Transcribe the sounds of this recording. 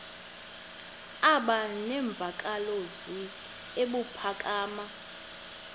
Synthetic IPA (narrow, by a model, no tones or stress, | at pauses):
aɓanɛɱb̪vʱakʼalozi | eɓupʰakʼaːma